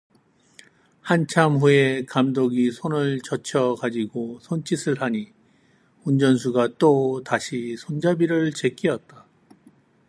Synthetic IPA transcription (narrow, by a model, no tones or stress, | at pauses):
hant͡ɕʰamɸue̞kamdoɡisʰonɯɭt͡ɕʌt͡ɕʰʌkad͡ʑiɡosʰont͡ɕ͈isʰɯɭɦaɲi | und͡ʑʌnsʰuɡat͈otaɕʰisʰond͡ʑabiɾɯɭt͡ɕe̞k͈iʌt̚t͈a